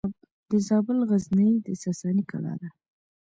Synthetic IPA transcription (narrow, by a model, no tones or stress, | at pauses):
d̪əzɑbɪlɣaznəjd̪əsasɑnika̰ɽɑ̰d̪a